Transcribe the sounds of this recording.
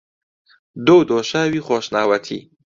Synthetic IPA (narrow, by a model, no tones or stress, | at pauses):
d̪owd̪oːʃaːwiːχoːʃnaːwɐt̪ʰḭː